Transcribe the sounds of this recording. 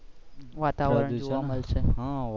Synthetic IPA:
ʋat̪aʋəɾə̃d͡ʒoʋaməlt͡ʃʰeɦã

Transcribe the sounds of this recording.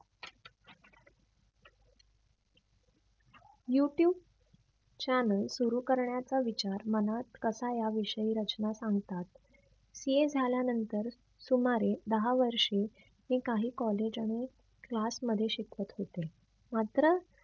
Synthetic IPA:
juʈjuːb̚ | t͡ɕænəlsuɾuːkəɾɳjat͡saʋit͡ɕaɾmənat̪kəsajaʋiʂəiːɾət͡ɕnasãŋɡt̪at̪ | sied͡zʱaljanənt̪əɾ | sumaɾed̪əɦaʋəɾʂe | nikaɦiːkɔled͡ʑaɽ̃i | klasməd̪ʱːjeɕikʋət̪ɦot̪e | mat̪ɾə

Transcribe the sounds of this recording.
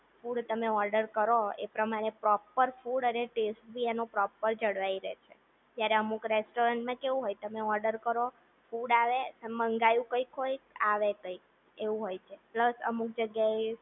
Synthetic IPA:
fuɽt̪əmeɔɾɖəɾkəɾoḛpɾəmaɾepɾɔpːəɾfuɽəneʈesʈ̚bʱienopɾɔpːəɾd͡ʒəɽʋaiɾɛ̰t͡ʃʰe | t̪jaɾeəmukɾesʈoɾəɳʈmãkeʋũɦojt̪əmeɔɾɖəɾkəɾo | fuɖaʋeəməŋɡajũkəjkɦojaʋekəik̚ | eʋũɦojt͡ʃʰepləsə̰muk̚d͡ʒəɡjae

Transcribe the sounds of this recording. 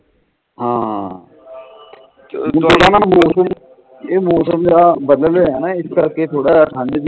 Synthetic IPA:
ɦãː | oːɽaːnaːmoːsəm | eːmoːsəmd͡ʒaːbəd̪ləleːɛːnãːɪskəɾkeːt̪ʰoːɽaːʈʰə̃ɳd͡ʒ

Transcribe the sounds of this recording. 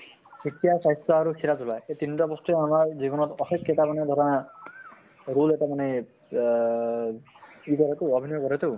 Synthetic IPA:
sʰikjasajst̪ɔaɾukʰiɾat̪ʰulajet̪inʈɔbɔst̪amaɾd͡ʒibɔnɔt̪ɔsekːet̪apaned̪ʱɔɾɔna | ɾuletamane | ikɔɾet̪uɔbʱinɔjɔkɔɾet̪u

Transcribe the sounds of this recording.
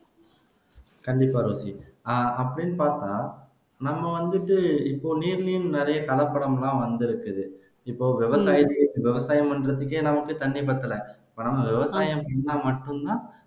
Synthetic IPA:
kɐɳɖɪpːaːɾoːsiaɐpːɐɽɪnːɯpaːɾt̪ãː | nɐmːɐʋɐnd̪ɯʈːɯɪpːoːniːɾlijɯnnɛɾɐjɐkɐlɐpːɐɽɐmlãːʋɐnd̪ɪɾɯkːɯðɯ | ɪpːoːʋɪʋɐsaːjɐt̪ɯʋɪʋɐsaːjɐmpɐɳɾɐðɯkːeːnɐmɐkːɯt̪ɐɳːipɐːt̪ːɐlɛɪpːoːnɐmːɐʋɪʋɐsaːjɐmpɐɳːɐmɐʈːɯnt̪ãː

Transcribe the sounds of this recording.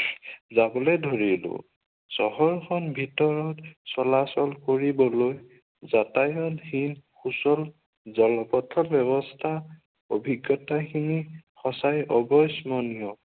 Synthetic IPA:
zabɔlejdʱoɹilʊ̰̃ | sɔɦɔɹkʰɔnbʱitɔɹɔtsɔlasɔlkoɹibɔloj | zatajɔnhinxusɔl | zɔlɔpɔtʰɔbjɔβɔstʰa | obʱiɡjɔtaxinixɔsajɔbɔjsmɔnijɔ

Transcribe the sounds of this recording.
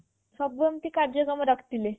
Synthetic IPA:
sɔbəmt̪iːkaɾd͡ʑəkəməɾəkʰt̪ile

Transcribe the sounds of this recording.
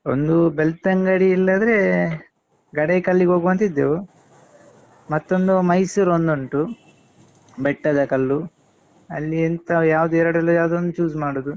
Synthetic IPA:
ond̪ubelt̪ɐŋɡɐɽiːlːɐd̪ɾe | ɡɐɽekɐlːiɡoːɡʋɐnt̪id̪ːe | mɐt̪ːond̪umɐjsuːɾond̪oɳʈu | bɛʈːɐd̪ɐkɐlːu | ɐlːient̪ɐjaːʋd̪uɛɾɐɽɛlːɐjaːʋd̪ond̪ut͡ʃuːsmaːɽoːd̪u

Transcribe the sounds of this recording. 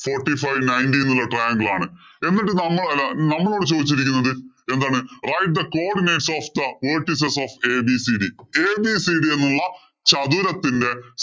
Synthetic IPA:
foːrʈːifɐjʋnɐjndinːulːɐʈrɐjaːŋɡɐɭaːɳɨe̞nːiʈːɨnɐmːɐɭɐlːɐnɐmːɐɭo̞ːɽɨt͡ɕo̞ːd̪it͡ɕːiɾikʲːunːɐðɨ | e̞nd̪aːɳɨrɐjʈ̚d̪ɐkoːɖineːʈsoːfd̪ɐʋeːrʈːis̬esoːfe̞ːbisiɖieːbisiɖienːuɭːɐ | t͡ɕɐðuɾɐt̪ːinde̞

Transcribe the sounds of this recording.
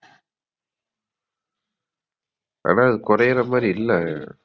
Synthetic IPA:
a̰ːnaːɐðɯkʊɾɐjɪɾɐmaːɾiɪlːɛ

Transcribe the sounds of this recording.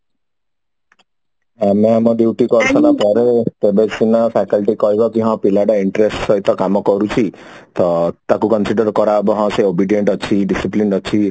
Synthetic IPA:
ameamɔɖjiwʈikɔɾt͡ʃʰɔnapɔɾet̪ebesinɔpʰakɔlʈikɔibɔkiɦɔ̃pilaɖɔiɳʈɾesʈsɔɦit̪ɔkamɔkɔɾut͡ʃʰit̪ɔt̪akukɔnsiɖɔɾkɔɾabɔɦɔ̃seobiɖieɳʈɔt͡ʃʰiɖisipliɳɔt͡ʃʰi

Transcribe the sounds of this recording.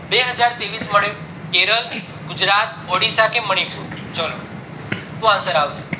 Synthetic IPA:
beɦəd͡ʒaɾt̪eʋisməɽe | keɾəl | ɡʊd͡ʒɾat̪̚oɽisakeməɽ̃iput͡ʃəlo | t̪ũãsəɾaʋʃe̥

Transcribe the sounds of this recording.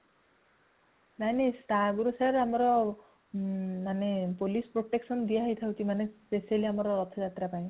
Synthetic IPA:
najnesʈaɡuɾusaɾamɔɾɔ | manepolispɾoʈeksɔnd̪iaɦjt̪ʰawtʰimanespesialiamɔɾɔɾɔt̪ʰɔd͡ʒat̪ɾapaj̃

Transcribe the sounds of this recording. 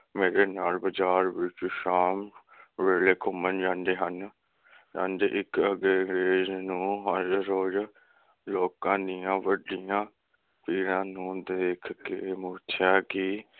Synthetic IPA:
meːɾeːnaːlbəd͡ʒaːɾʋɪt͡ʃuːʃaːm | ʋeːleːkʰʊmənd͡ʒãːnd̪eːɦən | d͡ʒã̰ːnɖeʔɪkəɡeːŋɾeːznũːɦəɾɾoːd͡ʒ | loːkãːd̪ɪjãːʋəɖɪjãː | piːɾãːnũːd̪eːkʰkḛːmʊːɾt̪ʰjaːkɪ

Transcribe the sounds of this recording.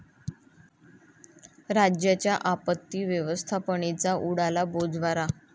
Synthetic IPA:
ɾad͡ʑjat͡ɕjaʔapət̪ːiːʋjəʋəst̪ʰapəɳ̃it͡saʔuɽalabod͡zʋaɾa

